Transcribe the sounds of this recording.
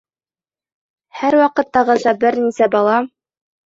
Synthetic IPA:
hæɾwɑqɤ̆t̪ːɑʁɤzɑbɘɾnisæbɑlˠɑm

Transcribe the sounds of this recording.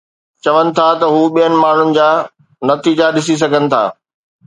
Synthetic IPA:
t͡ɕɐʋənɪ̆t̪ʰat̪ɐɦuːɓijənɪ̆maːɳ̤ʊnɪ̆d͡ʑaː | nɐt̪iːd͡ʑaɗɪs̬is̬ɐɡʱənɪ̆t̪ʰa̰ː

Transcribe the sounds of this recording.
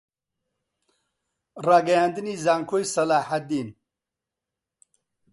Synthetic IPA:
raːɡɐjaːnd̪ɨniːzaːŋkʰoːjsɐlaːħad̪iːn

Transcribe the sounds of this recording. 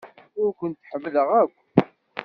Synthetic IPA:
ʊɾkʷənt̪ːħəmːləʁækʷː

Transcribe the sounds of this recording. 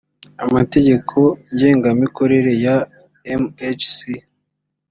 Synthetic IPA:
amate̞ɟe̞kʰo̞ɲɟe̞ːŋɡamiko̞ɾe̞ɾe̞ja | emet͡ʃsi

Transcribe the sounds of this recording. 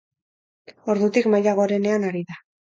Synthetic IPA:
o̞ɾðut̪ikmajaɣ̞o̞ɾe̞ne̞anaɾiða

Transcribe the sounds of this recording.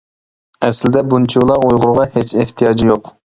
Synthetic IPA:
ɛslɪd̪ɛbunt͡ʃʰiulˠɑɾojʁʊɾʁɑhet͡ʃeht̪ʰijɑːd͡ʒijoq

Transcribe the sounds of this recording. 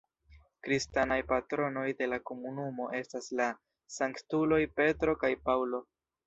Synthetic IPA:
kɾistanajpatɾo̞no̞jde̞lako̞munumo̞ʔe̞stasla | saŋktulo̞jpe̞tɾo̞kajpawlo̞

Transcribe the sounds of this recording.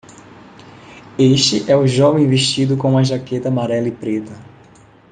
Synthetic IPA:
eʃt͡ʃɪʔɛʊʒɔvẽj̃veʃt͡ʃid̪ʊkõũɐʒaket̪ɐamaɾɛlipɾet̪ɐ

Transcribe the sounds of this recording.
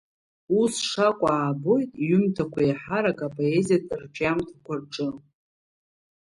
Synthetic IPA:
usʂakʷʼaːbo̞jtʼiɥʏmtʰakʷʰajħaɾakʼapʼo̞ezijatʼɨrʈ͡ʂʼamtʰakʷʰarʈ͡ʂʼɨ

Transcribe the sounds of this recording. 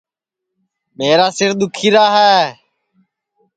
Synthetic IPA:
meːɾaːsɪɾɗ̪ʊkʰiːɾaːɦɛː

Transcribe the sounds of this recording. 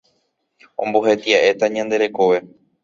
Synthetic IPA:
õmboɦe̞t̪iaʔe̞t̪aɲãnd̪e̞ɾe̞ko̞ʋe̞

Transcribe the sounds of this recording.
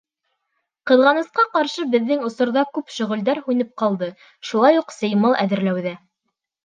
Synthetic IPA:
qɤ̆ðʁɑnɤ̆sqɑqɑɾʃɤbɘ̆ðːɘŋŏsŏɾðɑkʉpʃɵ̆ʁɵ̆ld̪æɾhʉnɘp̚qɑlˠd̪ɤ | ʃulˠɑjuqsɤ̆jmɤlˠʔæðɘ̆ɾlæwðæ

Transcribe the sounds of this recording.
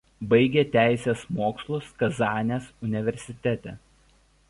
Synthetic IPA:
bɐɪɡʲeːt̪ʲæˑɪsʲeːsmoːkslˠʊskɐzɑːnʲeːsʊnʲɪʋʲɛɾʲsʲɪt̪ʲɛt̪ʲeː

